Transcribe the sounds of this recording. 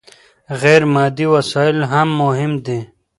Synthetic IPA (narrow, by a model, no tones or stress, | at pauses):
ɣɛːɾmɑːd̪iwɐsaːɪlɦamːʊɦɪmd̪e